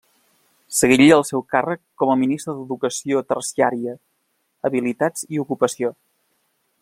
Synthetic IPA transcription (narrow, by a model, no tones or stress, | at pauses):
səɣiʎəlˠsɛwkarəkːɔməminist̪ɾəðəðukəsiot̪ərsiaɾiə | əβilit̪ad͡ziukupəsio